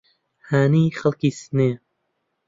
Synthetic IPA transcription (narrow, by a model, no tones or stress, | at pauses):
haːniːxɐlkiːsneː